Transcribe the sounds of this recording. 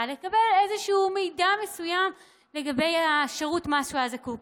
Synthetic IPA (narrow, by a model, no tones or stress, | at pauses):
lekabele̞zeʃuːmejdame̞sujam | le̞ɡabe̞jaʃeʁutmaʃuazaku